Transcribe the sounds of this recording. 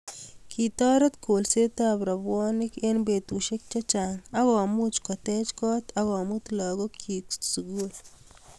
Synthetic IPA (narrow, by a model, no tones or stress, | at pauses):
kʰit̪ɔːɾɐt̪kʰolset̪aːbɾɐbwɔːnɪkenbet̪uʃek̚t͡ʃat͡ʃaŋaɣɔmut͡ʃkɔt̪ɛt͡ʃkɔːt̪ɐɣɔmut̪lɔːɡokʰiksuɡul